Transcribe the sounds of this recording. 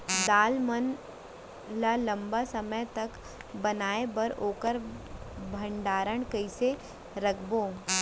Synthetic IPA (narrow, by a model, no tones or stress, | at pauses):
d̪aːlmən | lalɐ̃mbasɐməjt̪ɐk | bɐnaːebɐɾoːkəɾ | bʱə̃ɳɖaːɾəɳ̃kɐɪse | ɾɐkʰboː